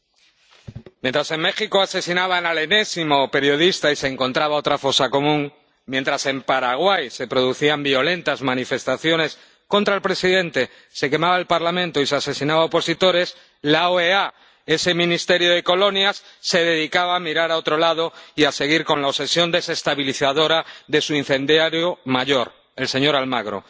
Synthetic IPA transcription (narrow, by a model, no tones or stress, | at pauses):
mjẽnt̪ɾase̞ŋme̞xiko̞ase̞sinaβaenale̞ne̞simo̞pe̞ɾjo̞ðist̪aise̞ːŋko̞nt̪ɾaβao̞t̪ɾafo̞sako̞mũŋ | mjent̪ɾase̞mpaɾaɣ̞wajse̞pɾo̞ðuθiambio̞le̞nt̪azmãnife̞st̪aθjo̞ne̞s | ko̞nt̪ɾaelpɾe̞siðe̞nt̪e̞ | se̞ke̞maβaelpaɾlamẽnt̪oisease̞sinaβaopo̞sit̪o̞ɾe̞s | laoea | e̞se̞mĩnist̪e̞ɾjoð̞e̞ko̞lo̞njasːe̞ðe̞ðikaβaːmiɾaɾao̞t̪ɾo̞lað̞o̞iase̞ɣ̞iɾko̞nlaose̞sjond̪e̞se̞st̪aβiliθaðo̞ɾaðe̞suin̟θẽ̞nd̪jaɾjomaʝo̞ɾ | e̞lse̞ɲo̞ɾalmaɣɾo̞̰